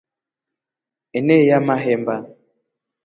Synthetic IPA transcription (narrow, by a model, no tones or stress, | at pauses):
enejamaɦɛmba